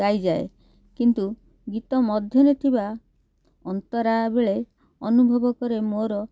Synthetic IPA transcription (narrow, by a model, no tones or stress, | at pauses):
ajd͡ʒae | kint̪u | ɡit̪ɔmɔd̪ʱjɔnet̪ʰiba | ɔnt̪ɔɾabeɭe | ɔnubʱɔbɔkɔɾemoɾɔ